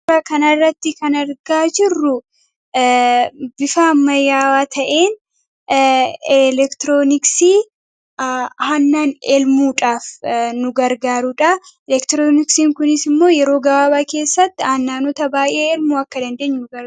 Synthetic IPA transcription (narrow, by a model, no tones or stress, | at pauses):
ɐkɐnɐrːɐt̪ːɪkɐnɐɾɡaːd͡ʒɪrːʊ | bɪfaːmːɐjaːwaːt̪ʰɐʔe̞ːn | ɛlɛkt̪ɪɾo̞ːnɪksiː | hɐnːaːnɛlmuːᶑaːfnʊɡɐɾɡaːɾʊᶑɐɛlɛkt̪ɾoːnɪksiːŋkʊnɪsɪmːo̞ːjɛɾo̞ːɡɐbaːbake̞ːsːɐt̪ːɪhɐnːaːnɔt̪ɐbaːjʔe̞ːɛlmuːɐkːɐd̪ɐnd̪eːɲːʊnɡɐ